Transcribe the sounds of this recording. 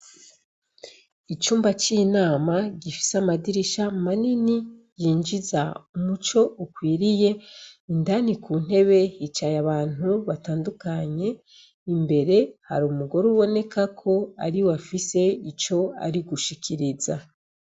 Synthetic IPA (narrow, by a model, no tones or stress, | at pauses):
it͡ʃuːmbat͡ʃinaːmaɟifi̥seamadiɾiʃamanini | jiːnd͡ʒizaumut͡ʃo̞ukwiːɾije̞indanikuːn̥he̞βe̞hit͡ʃajaβaːn̥huβataːndukaɲe̞ | imbe̞ɾe̞ha̰ɾuːmuɡo̞ɾuβo̞ne̞kakʰo̞a̰ɾiwafise̞it͡ʃo̞a̰ɾiɡuʃikʰiɾiza